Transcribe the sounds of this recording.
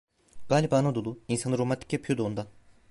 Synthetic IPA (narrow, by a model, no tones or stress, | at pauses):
ɡ̥aːlʲibaːnad̪olˠuinsanɯɾomant̪ʰi̥cjapʰyjod̪uoːnd̪a